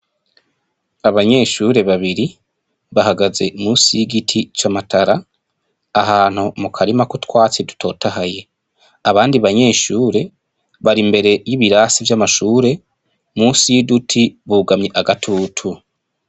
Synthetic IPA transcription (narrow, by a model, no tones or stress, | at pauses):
aβaɲe̞ːʃuːɾe̞βaβiɾi | βahaɡaze̞̰muːsijiɡitʰit͡ʃamataɾa | aɦaːn̥humukʰaɾimakutwaːt͡sedu̥tʰo̞̰ːtahaje̞ | aβaːndiβaɲe̞ːʃuːɾe̞ | βaɾimbe̞ɾe̞jiβiɾaːsivjamaʃuːɾe̞ | muːsijidutʰiβuːɡamɲeʔaɡatʰuːtʰu